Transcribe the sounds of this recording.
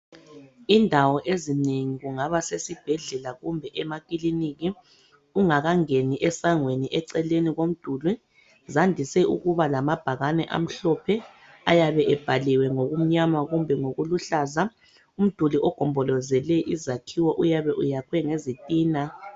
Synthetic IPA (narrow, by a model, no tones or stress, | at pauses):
indʱawɔʔezineŋiɣuŋaβasesib̥ʱɛɮɛlaɣumbʱɛʔɛmakʼiliniɣi | uŋaɣaŋeniʔɛsaŋweniʔɛǀɛleniɣom̩d̥ʱuli | zandʱisɛʔṵɣuβalamab̥ʱaɣanɛʔa̰m̩ɬɔpʰɛ | ajaβɛʔɛb̥ʱaliwɛŋoɣum̩ɲamaɣumbʱɛŋoɣuluɬaza | um̩d̥ʱuliʔɔɡ̥ʱɔmbʱɔlɔzɛlɛʔizakʰiwɔʔujaβɛʔujakʰwɛŋezitʼiːna